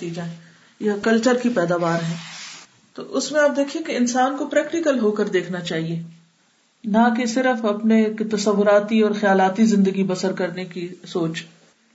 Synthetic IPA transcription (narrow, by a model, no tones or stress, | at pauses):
iːd͡ʒae | jakɐlt͡ʃəɾkipɛːd̪aːʋaːɾɦɛ̃ː | t̪o̰ːʔʊsmẽaːp̚d̪eːkʰiẽkeɪnsaːnkopɾɛːkʈɪkəlɦoːkəɾd̪eːkʰnat͡ʃaːɦieː | nakesɪɾəfɐpnekt̪ɐsɐʋːʊɾaːt̪iɔːɾxjaːlaːt̪izɪ̃nd̪əɡibɐsəɾkɐɾnekisoːt͡ʃ